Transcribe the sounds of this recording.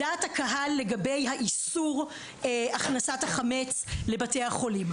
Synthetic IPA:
aːthakaɦalːe̞ɡabejɦaʔisuʁ | aχnasataχamet͡s | le̞batejhaχo̞lim

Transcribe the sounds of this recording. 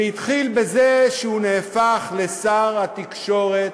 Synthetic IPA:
it̪χilbe̞zeʃeuneːfaχlesaʁhat̪ikʃo̞ʁet̪

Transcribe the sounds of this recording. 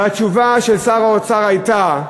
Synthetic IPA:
at͡ʃuvaʃelsaʁaot͡saʁajt̪a

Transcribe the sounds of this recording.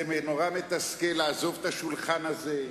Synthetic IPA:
emeno̞ʁamet̪askelaːzo̞vet̪aʃulχanaze

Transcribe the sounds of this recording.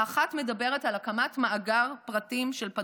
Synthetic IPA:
aχatme̞dabe̞ʁetalakamatmaaɡaʁpʁatimʃelpa

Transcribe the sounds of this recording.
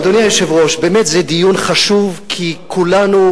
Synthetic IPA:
d̪onijajoʃevʁo̞ʃbeːmet̪zɛd̪ijunχaʃuvkʰikʰulanu

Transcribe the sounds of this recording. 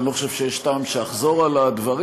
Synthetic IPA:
niloχoʃevʃejeʃtaːmʃeaχzo̞ʁalad̪vaʁi

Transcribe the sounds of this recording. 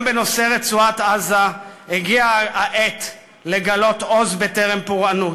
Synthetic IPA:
beno̞se̞ʁet͡suat̪azahiɡiaaʔet̪ | le̞ɡalo̞t̪o̞zbe̞t̪eʁempuʁanu

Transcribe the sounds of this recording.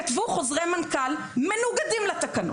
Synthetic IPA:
at̪vuχozʁejmankal | menuɡad̪imlat̪akano

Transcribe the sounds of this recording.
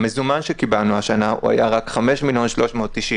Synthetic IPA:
mezumanʃekibalnuaʃanaṵa̰jaʁakχame̞ʃmiljo̞nʃlo̞ʃmo̞ːt̪ːiʃim

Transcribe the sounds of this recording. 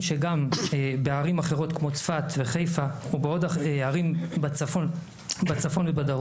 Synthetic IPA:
ʃeɡambeaʁimaχeʁo̞t̪kmo̞t͡sfat̪veχe̞jfahubeodaeaʁimbat͡safon | bat͡safo̞nvebadaʁ

